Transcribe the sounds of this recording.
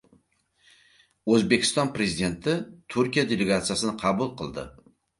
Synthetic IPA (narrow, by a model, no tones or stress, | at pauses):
ɵzbe̞kʲʰɪ̥st̪ɒnpɾe̞zid̪e̞nt̪ʰɪt̪ʰʊɾkʲijad̪e̞leɡat̪sijasɪnɪqʰɑbulˠqʰɨlˠd̪ɪ̰